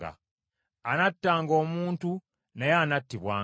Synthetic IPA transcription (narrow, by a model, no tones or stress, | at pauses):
a̰ | anatːaːŋɡo̞ːmuːntu | nejaːnatːiβwaː